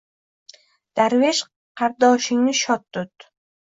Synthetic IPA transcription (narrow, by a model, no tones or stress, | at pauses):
d̪̥aɾveʃ | qʰɑɾd̪ɒʃɪŋnɪʃɒt̪ːʊt̪